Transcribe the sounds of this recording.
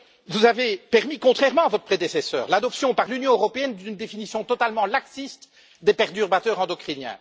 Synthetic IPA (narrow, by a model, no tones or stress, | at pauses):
vuzavepɛʁmikɔ̃t̪χɛʁmɑ̃avɔt̪χəpχed̪esesœ̰ːʁlad̪ɔpsjɔ̃paʁlynjɔ̃øʁɔpeɛnd̪ynd̪efinisjɔ̃t̪ɔt̪almɑ̃laksist̪ | d̪epɛʁt̪yʁbat̪œʁɑ̃d̪ɔkχinjɛ̰̃